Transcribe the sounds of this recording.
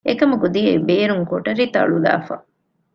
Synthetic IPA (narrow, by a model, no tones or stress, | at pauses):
ekɐmuɡod̪ijeibeːɾuŋkoʈɐɾit̪ɐ̰ɭula̰ːfɐ̰